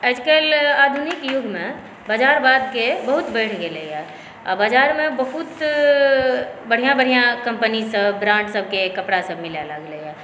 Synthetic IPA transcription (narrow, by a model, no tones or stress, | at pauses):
ɛd͡ʒkelaːd̪ʱunɪkjʊɡʱmẽ | bad͡ʒaːɾbaːd̪kebɐɦʊt̪bɛːʈʰɡeleɛː | a̰baːd͡ʒaːɾmẽbəɦʊt̪ | bɐɽ̤ijãbəɽ̤ijãkɐ̃mpənisəbːɾãːɳʈsəb̚kekɐpɽasəb̚mɪljalaɡleɡɛː